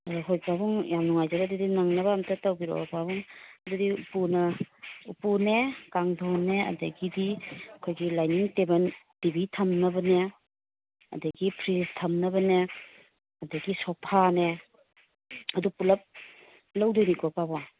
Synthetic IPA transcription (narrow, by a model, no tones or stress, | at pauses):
ɐdɦojpabuŋjamnuŋajzɐbadudinaŋnɐβɐːmtʰɐtawɡiɾo̰pabuŋɐdudiupunɐupunekaŋdoneɐ̰dɐɡidiɐkʰojɡilajniŋtebɐntibitʰɐmnɐbɐne | ɐ̰dɐɡipʰɾistʰɐmnɐbɐne | ɐdɐɡisɔpʰane | ɐdupulɐp̚ | lɐwdonikɔpaba